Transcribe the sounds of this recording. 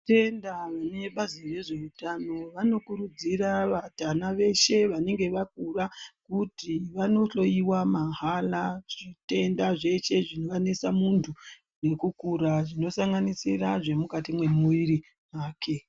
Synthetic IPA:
te̞ndaʋaneɓazire̞ʐe̞utano̞ʋano̞kuɾud͡ziraʋatanaʋe̞ʃe̞ʋane̞ŋɡe̞ʋak̚urakutiʋano̞ɬo̞iwamaɦalaʐ̥ite̞ndaʐe̞t͡ʃe̞ʐino̞ʋane̞samuntʰu | ne̞kukuɾaʐino̞saŋɡanisiraʐe̞mukatimwe̞muʋiɾi | ɦaːkʰe̞

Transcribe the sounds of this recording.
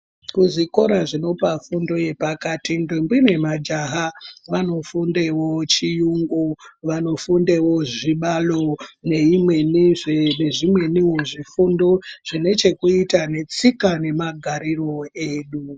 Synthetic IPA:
kuziko̞ɾaʐino̞pafundo̞je̞pakatindimbwine̞mad͡ʒaɦaʋano̞fundewo̞t͡ʃijuŋɡuʋano̞fundewo̞ʐiɓalo̞neimweniʐneʐimwe̞niɦuʐifundo̞ʐ̥ine̞t͡ʃe̞kuitane̞t͡sikane̞maɡʱaɾiro̞eːɗu

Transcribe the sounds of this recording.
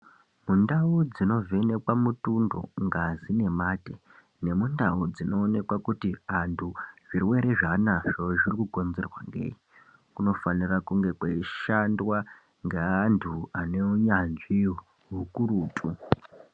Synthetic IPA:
mundaud͡zino̞ve̞ne̞kwamutundo̞̰ŋɡazine̞mate | nemundaud͡zino̞ːne̞kwakutiantʰuʐ̥irwe̞ɾe̞ʐanaʐoʐirikuko̞nze̞rwa̰ŋɡḛːi | kuno̞fanirakuŋɡe̞kwaiʃandwa | ŋɡeantʰuane̞uɲanʐi | ɦukuruːtʼu

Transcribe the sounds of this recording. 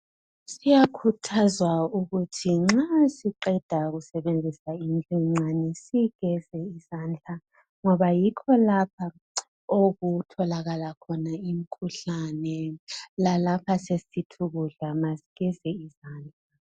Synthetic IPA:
sijakʰutʰazwauɣutʰiŋ͡ǁasiǃɛd̥ʱaɣusɛβend͡zʱisaind͡ɮʼiŋ͡ǀanɛsiɣɛz̥ɛiz̥aːnd͡ɮʱa | ŋɔβajikʰɔlapʰa | oɣutʰɔlaɣalakʰɔnaimikʰuɬanɛlalapʰasesitʰuɣuɮamasiɣɛzɛizaːnd͡ɮʱa

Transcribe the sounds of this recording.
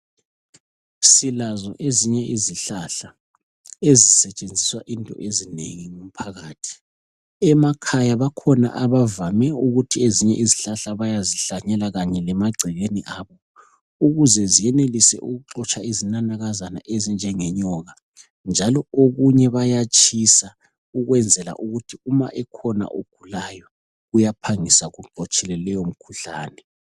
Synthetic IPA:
silazɔ̰ʔeziɲɛʔiziɬaɬa | ezisɛt͡ʃʼend͡zʱiswaʔintʼɔ̰ʔezinḛɣiŋum̩pʰaɣaːtʰi̥ | ɛmakʰajaβakʰɔna̰ʔaβavamɛuɣutʰieziɲɛ̰ʔiziɬaɬaβajaziɬaɲɛlaɣaɲɛlɛmaɡ͡ǀʱiɣeniʔaːβɔ | uɣuzɛzijɛnelisɛ̰ʔuɣuǃɔt͡ʃʰʼaizinanaɣazana̰ʔezind͡ʒʱɛŋɛɲɔɣa | nd͡ʒʱalɔoɣuɲɛβajat͡ʃʼʰisa | uɣwɛnd͡zʱɛla̰ʔuɣutʰiuma̰ʔɛkʰɔna̰ʔoɡ̥ʱulajɔ | ɣujapʰaŋisaɣuɡ͡ǃʱɔt͡ʃʼɛlɛlɛjom̩kʰuɬa̰ːnɛ

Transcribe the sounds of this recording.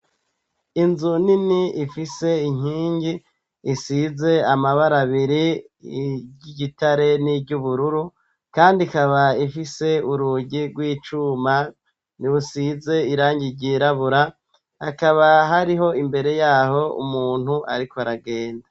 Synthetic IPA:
inzuniniifise̞iɲ̥iːɲɟiː | size̞amaβaɾaβiɾi | ɟiɟitaɾe̞niɟuβuɾuɾu | kaːndikaβaifise̞uɾuːɟiɡwiːt͡ʃuma | niβusize̞iɾaːɲɟiɟiɾaβuɾa | akaβaɦaɾiɦo̞imbe̞ɾe̞jaːɦo̞ṵmuːn̥huʔa̰ɾikoaɾaɡeːnda

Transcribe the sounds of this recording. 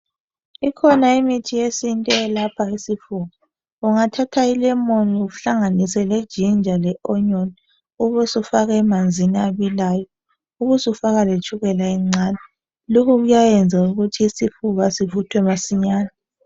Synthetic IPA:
ikʰɔnaimitʰijesintʼɛlapʰaisifuɣɔ | uŋatʰatʰailɛmoniuɬaŋanisɛled̥ʒ̥ʱind͡ʒʱalɛʔɔɲɔni | uβusufaɣaɛmand͡zʱiniaβilaːjɔ | uɣusufaɣalet͡ʃʰuɣɛlaɛŋ͡ǀaːnɛ | lokʰuɣujajɛnd͡zʱauɣutʰiːsifuɣasivutʰwɛmasiɲaːna

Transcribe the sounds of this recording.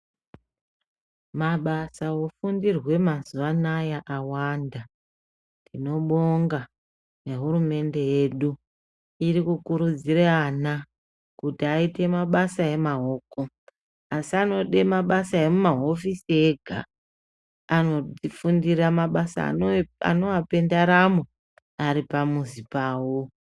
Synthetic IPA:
maɓasawo̞fundirwe̞mazuʋanajaʔawanda | ndino̞ɓo̞ŋɡa | ne̞ɦuɾume̞nde̞je̞ɗu | iɾikukuɾud͡ziɾeana | kutiaite̞maɓasae̞maɦo̞ːko | asiano̞ɗemaɓasae̞mumaɦo̞fisieɡʱa̰ | ano̞ifundiɾamaɓasa̰a̰no̞ʋape̞ndaɾamo | aɾipamuzipaːwo

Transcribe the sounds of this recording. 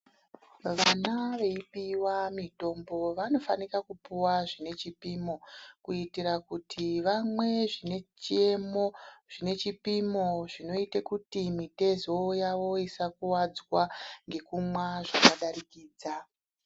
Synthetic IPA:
ʋanaʋe̞ipiwamito̞mbo̞ʋano̞fanikakupuwaʐine̞t͡ʃipimo̞kuitiɾakutʰiʋamwe̞ʐine̞t͡ʃie̞mo̞ʐ̥ine̞t͡ʃipimoʐino̞itekutimite̞zo̞jaʋo̞isakuwad͡zwaŋɡe̞kumwaʐakaɗaɾikiːd͡za

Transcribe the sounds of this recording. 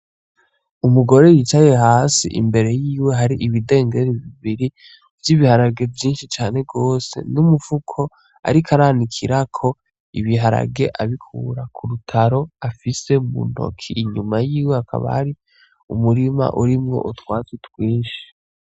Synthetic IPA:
umuɡo̞ɾe̞jit͡ʃaje̞ɦaːsḭʔḭmbe̞ɾe̞jiːwe̞ɦaɾiʔiβide̞ːŋɡe̞ɾiβiβiɾi | vjiβihaɾaɡe̞vjiːnʃit͡ʃaːne̞ɡo̞ːse̞̰numuvukʰo̞ | a̰ɾikʰaɾanikʰiɾakʰo̞ | iβiɦaɾa̰ɡe̞ʔaβikʰṵːɾakʰuɾutʰaɾo̞afise̞umṵn̥o̰kʰiːɲumajiːweakʰa̰βa̰haɾi | ṵmuɾima̰ʔuɾimŋo̞̰ʔutwaːzitwiːnʃi̥

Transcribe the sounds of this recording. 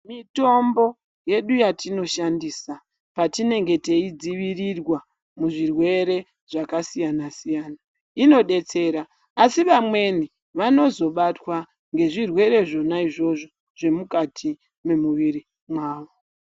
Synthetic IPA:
mito̞mbo̞ | je̞ɗujatino̞ʃandiːsa | patine̞ŋɡe̞te̞id͡ziʋirirwa | muʐirwe̞ɾe̞ | ʐ̥akasijanasijaːna | ino̞ɗe̞t͡se̞ːɾaː | siʋamwe̞ni | ʋano̞zo̞ɓatwa | ŋɡe̞ʐirwe̞ɾe̞ʐo̞naiʐo̞ʐo | ʐ̥e̞mukatʰi | me̞muʋiɾi | mwaːʋo̞

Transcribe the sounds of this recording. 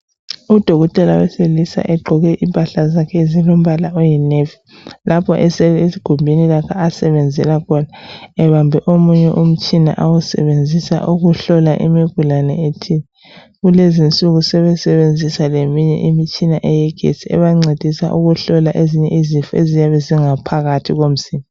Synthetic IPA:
ud̥ʱoɣɔtʼɛla̰wɛ̰selisa̰ʔɛɡ͡ǃʱɔɣɛʔimpʼaɬazakʰɛzilom̩βalaʔojinevi | lʔapʰɔʔɛsɛesiɡ̥ʱumbʱinilakʰaːsɛβɛnd͡zʱɛlakʰɔnaɛβambʱɛʔomuɲɛʔum̩t͡ʃʼina̰ʔawusɛ̰βend͡zʱisa̰ʔuɣuɬɔla̰ʔḭmiɡ̥ʱulanɛ̰etʰinɛ | ɣulezint͡sʼuɣusɛβɛsɛβend͡zʱisalemiɲɛ̰ʔimit͡ʃʼinaʔɛjɛɡ̥ʱḛt͡sʰʼiɛ̰βaŋ͡ǀed̥ʱisa̰ʔuɣuɬɔlaʔeziɲɛizifuezijaβɛziŋapʰaɣatʰiɣom̩simʱɔ

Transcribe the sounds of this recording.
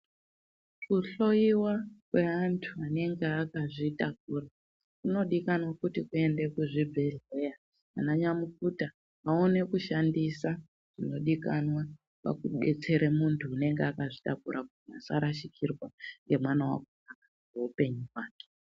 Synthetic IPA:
kuɬo̞iwakwe̞antʰuane̞ŋɡeakaʐitak̚uːra | kuno̞ɗikanwakutikue̞nde̞kuʐibʱe̞ɮe̞ja | anaɲamukuta | aone̞kuʃandisa | ʐ̥ino̞ɗikanwa | pa̰kuɓe̞t͡se̞ɾemuntʰuːne̞ŋɡeakaʐitakuɾʔakutina̰saɾaʃikʰirwaŋɡe̞mwanawa̰konaka | eupe̞ɲuwaːke̥

